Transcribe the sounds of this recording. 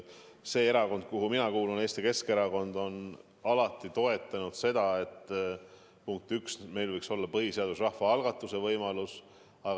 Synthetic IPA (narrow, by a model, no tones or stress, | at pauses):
se̞ːeɾɑko̞nd̪̥̚kuɦuminɑkuːlune̞ːst̪ike̞ske̞ɾɑko̞nd̪o̞n | ɑlɑt̪ːˑit̪o̞e̞t̪ːˑɑnud̪̥se̞d̪̥ɑe̞t̪ːˑ | puŋk̚t̪yksme̞jlvɤjkso̞lːɑpɤɦise̞ɑd̪̥us̬rɑhvɑɑlɡ̥ɑt̪ːˑuse̞vɤjmɑlus | ɑɡ